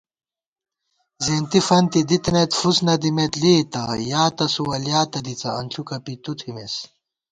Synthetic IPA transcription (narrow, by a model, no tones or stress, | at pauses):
zeːnt̪ifɐnt̪id̪it̪net̪fusnɐd̪imet̪leːt̪ɐjaːt̪ɐsuwɐljaːt̪ɐd̪it͡sɐɐnɬʰukɐpit̪ut̪ʰimes